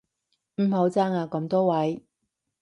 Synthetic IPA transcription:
m̩˨˩ɦo˨˧˥wt͡saː˥ŋaː˨˧kɔ˨˥mt̪oː˥wɐ˨˥j

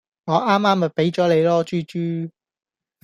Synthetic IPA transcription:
ŋɔː˨˧ʔaː˥mːaː˥mɐ˨pe˨˥jt͡ʃɔː˨˥le˨˧jlɔː˥t͡ʃyː˥t͡ʃyː˥

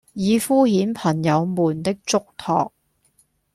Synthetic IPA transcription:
jiː˨˧fuː˥hiː˨˥npʰɐ˨˩ŋjɐ˨˧wmuː˨˩nt̪ɪ˥k̚t͡sʊ˥k̚t̪ʰɔ̰ː˨k̚

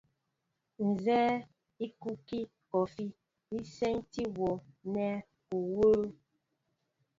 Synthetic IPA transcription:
n̩˨zɛː˦ | i˦ku˦ki˦ | kɔ˨fi˦ | i˦sɛ˦nti˦wɔ˨nɛ˦ | u˨woː˦

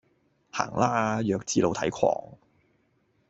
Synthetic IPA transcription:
ha̰ː˨˩ŋlaː˥jœː˨˧k̚t͡siː˧lo˨wt̪ʰɐ̰˨˥jkʰɔ̰ː˨˩ŋ

